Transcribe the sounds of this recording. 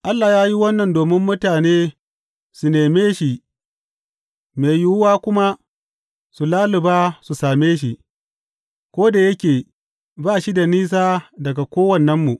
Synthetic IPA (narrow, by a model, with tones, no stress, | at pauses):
ʔa˦lːaː˨jaː˦ji˦wɐ˦nːɐ˨ndoː˨mɪ˦mːʊ˦taː˨neː˦ | su˨neː˨meː˦ʃi˨ | me˨ju˦wʊ˦waː˦kʷʊ˦ma˦ | su˨laː˦lɪ˨baː˦su˨saː˨meː˦ʃ̬i˨ | kʷoː˦da˨jɐ˦kʲeː˨ | baː˦˨ʃi˦da˨niː˦s̬aː˦dɐ˨ɡa˨kʷoː˦wɐ˨nːɐ˦mːu˨ʔ